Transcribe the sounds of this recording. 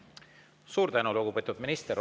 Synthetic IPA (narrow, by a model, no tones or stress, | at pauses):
suːɾt̪ænulukupet̪ːˑud̪minist̪eɾ